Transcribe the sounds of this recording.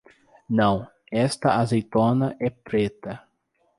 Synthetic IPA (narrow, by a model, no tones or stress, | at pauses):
nɐ̃w̃ | ɛst̪ɐʔazejt̪õnɐʔɛpɾet̪ɐ